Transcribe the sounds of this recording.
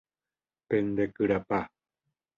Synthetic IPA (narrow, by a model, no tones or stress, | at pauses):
pend̪ekɨɾapa